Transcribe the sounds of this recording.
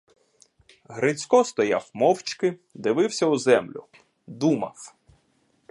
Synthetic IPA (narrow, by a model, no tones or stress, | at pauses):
ɦɾɪt͡sʲkɔst̪ɔja̰wmɔwt͡ʃkɪd̪ɪʋɪwsʲɐuzɛmlʲʊ̰ | d̪umɐ̰w